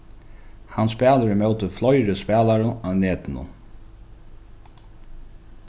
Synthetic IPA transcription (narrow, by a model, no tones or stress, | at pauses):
hanspæːləɾmœwt̪əflɔjɾəspæːlaɾʊawneːt̪ɪnʊ̰